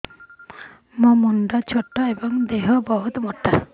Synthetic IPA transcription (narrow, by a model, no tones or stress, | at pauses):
mɔmunɖat͡ʃʰɔʈːaebɔŋd̪eɦɔbɔɦut̪mɔʈːa